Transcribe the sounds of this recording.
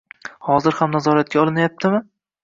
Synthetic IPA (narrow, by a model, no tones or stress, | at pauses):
hɒzɪɾhamnazɒɾat̪̚ɡʲaɒlˠɪnajap̚t̪ʰɪmɪ